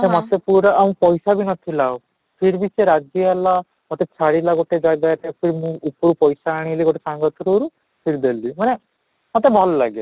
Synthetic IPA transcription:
emɔt̪epuɾaʔaũpɔjsabʱinɔt̪ʰila | pʰiɾbisʰeɾad͡ʒjɔɦɛla | mɔt̪et͡ʃʰaɽilaɡoʈed͡ʒaɡaɾepʰiɾimũupɾupɔjsaːɽ̃iliɡoʈesaŋɡɔt̪ʰɔɾuɾu | pʰiɾid̪elimane | mɔt̪ebʱɔllaɡe

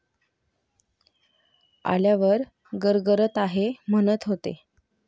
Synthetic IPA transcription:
a̰ljaʋəɾ | ɡəɾɡəɾət̪aɦemənət̪ɦot̪ḛ

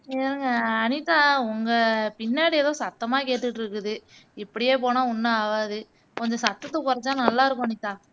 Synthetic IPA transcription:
eɾɯŋɡɐːnɪt̪ːãːʊŋɡɐpɪnːaːɽɪjɛðõːsɐt̪ːɐmaːkeːʈːɯʈːɾɯkːɯðɯ | ɪpːɐɽɪjeːpoːnãːʊnːɯaːʋaːðɯ | kɔɲd͡ʒɔ̃sɐt̪ːɐt̪ːɐkʊɾɐt͡ʃːãːnɐlːaːɪɾɯk̬ːʊ̃ɐnɪt̪ːãː

